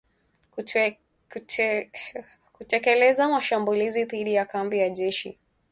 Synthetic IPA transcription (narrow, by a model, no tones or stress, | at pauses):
kutɛkɛlɛzamaʃambuliziðiɗijakambijaʄɛʃḭ